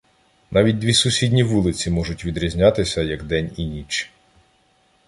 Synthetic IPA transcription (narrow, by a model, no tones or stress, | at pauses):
nʔɑʋʲit̚ʲd̪ʋʲisʊsʲidʲnʲiʋulˠɪt͡sʲimɔʒʊtʲʋʲid̪ɾʲizʲnʲɑt̪ɪsʲɐjɐɡd̪ɛnʲinʲit͡ʃ